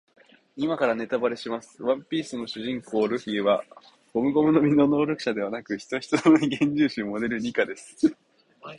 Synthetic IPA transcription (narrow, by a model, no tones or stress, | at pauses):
imakaɾane̞t̪abaɾe̞ɕimasɨ̥βãmpʲiːsɨno̞ɕɨʑĩŋko̞ːɾɯ̟ɸiβa | ɡ̥o̞mɯ̟ɡo̞mɯ̟no̞mʲino̞no̞ːɾʲo̞kɯ̟̥ɕad̪e̞β̞anakɯ̟çi̥t̪o̞çi̥t̪ɨnoiɡẽ̞ɲ̟d͡ʑɨːɕɨmo̞d̪e̞ɾɯ̟ɲʲikad̪e̞sɨ̥